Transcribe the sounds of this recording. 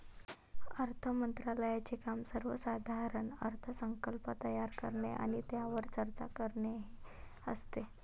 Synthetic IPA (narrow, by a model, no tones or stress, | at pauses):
əɾt̪ʰəmənt̪ɾaləjat͡ɕekamsəɾʋə̰sad̪ʱaɾəɳə̰ɾt̪ʰəsəŋkəlpət̪əjaɾkəɾɳeʔa̰ɽ̃it̪jaʋəɾt͡ɕəɾt͡ɕa̰kəɾɳeɦeəst̪e